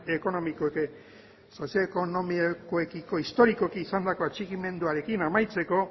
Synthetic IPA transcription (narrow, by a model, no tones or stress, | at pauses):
eko̞no̞mikoeke | so̞sjaekonomikoekiko̞ist̪o̞ɾiko̞kiːsand̪ako̞at͡ʃiɣime̞nd̪uaɾe̞kinamajt͡se̞ko̞